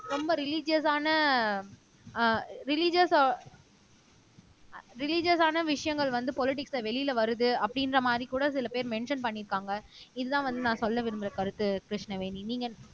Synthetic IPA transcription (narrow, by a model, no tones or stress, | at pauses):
ɾɔmbɐɾɪlɪd͡ʒɪɐsaːnɐ | ɾɪlɪd͡ʒɐs | ɾɪlɪd͡ʒɐsaːnɐʋɪʂɐjɐŋɡɐɭʋɐnd̪ɯpɔlɪʈ̬ɪksɐʋɛlɪjɪlʋɐɾɯðɯɐpːɐɽɪnɾɐmaːd̪ɾikuːɽɐsɪlɐpeːɾmɛɳʂɐnpɐɳːɪɾɯkːaːŋɡɐɪðɯðãːʋɐnd̪ɯnãːsɔlːɐʋɪɾɯmbɪɾɐkɐɾɯt̪ːɯkɾɪʂnɐʋeːniniːŋɡɐ